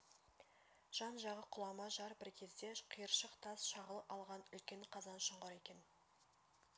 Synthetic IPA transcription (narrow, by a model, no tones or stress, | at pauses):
ʒ̥ɑnʒɑʁəqʰʊlˠɑmɑʒɑɾbɪɾkʲʰe̞zd̪e̞qʰijəɾʃəqt̪ʰɑsʃɑʁəlˠəɑlˠʁɑnʏlkʲe̞nqʰɑzɑnʃəɴʁəɾe̞kʲe̞n